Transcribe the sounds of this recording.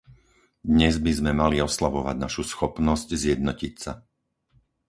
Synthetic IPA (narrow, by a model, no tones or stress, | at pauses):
d̪ɲɛzbizmɛmaliɔslaʋɔʋa̰ɟnaʃusxɔpnɔsɟzjɛd̪nɔcicsa